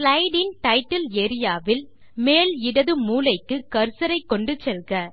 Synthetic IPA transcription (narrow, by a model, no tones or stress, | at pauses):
lɐɪɖɪnʈɐɪʈːɐleːɾɪjaːʋɪl | meːlɪɽɐðɯmuːlɐɪkːɯkɐɾsɐɾɐɪkːɔɳɖɯt͡ʃɛlɣɐ